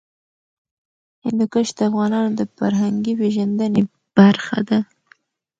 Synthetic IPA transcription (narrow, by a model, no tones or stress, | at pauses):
hɪnd̪ʊkəʃd̪əafɣɑnɑnod̪əfaɾɦaŋɡiweʒand̪əne | b̥aɾxa̰d̪a